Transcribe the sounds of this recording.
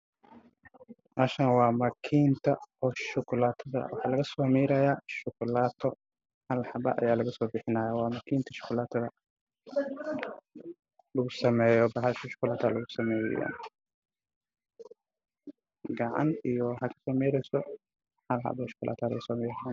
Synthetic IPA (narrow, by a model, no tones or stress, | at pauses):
ʔaːʃɐnwɑːmɐkʰiːnt̪ʰɐɔːʃʊkʰʊlaːt̪ʰɐðɐ̰wʔɑħɑːlɐɣɐsɔːmɛjɾɐjaːʃʊkʰʊlaːt̪ʰɔ | hɐlħɐbɐ̰ʔɐ̰jaːlɐɣɐsɔːbɪħɪnajɔwɑːmɐkʰiːnt̪ʰɐ̥ʃʊ̥kʰʊlaːt̪ʰɐðɐ | lɐɣʊsɐmɛːjɔbɐhaʃɐʃʊ̥kʊlaːt̪ʰɔlɐɣʊsɐmɛːj̰ja̰n | ɡɐʕa̰nijɔhɐkʰɐ̥sɔːmɛːɾɛjsɔ | hɐlħɑ̰bɔʃʊ̥kʊlʔa̰ːt̪ʰɔlɐɣɐsɔːmɛːɾɐjan